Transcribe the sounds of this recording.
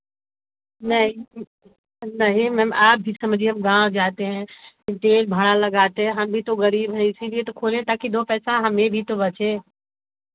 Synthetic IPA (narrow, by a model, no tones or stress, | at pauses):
nəɦĩ | nəɦĩmɛ̃ːmaːp̚bʱisəmd͡ʒʱiəmɡãːwd͡ʒaːt̪eɦɛ̃kʈeːlbʱəɽaləɡaːt̪ẽɦəmbʱit̪oɣəɾiːbɦəisibiet̪əkʰoːlẽt̪aːkid̪opɛːsãɦəmẽbʱit̪obət͡ʃe